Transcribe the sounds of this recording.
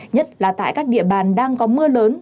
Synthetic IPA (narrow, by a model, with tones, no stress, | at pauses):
ɲə˦˥t̚laː˨˩t̪a̰ː˧˨jkaː˦˥k̚ɗḭ˧˨əɓaː˨˩nɗaː˧ŋkɔ˨˦mɨ˧ələː˨˦n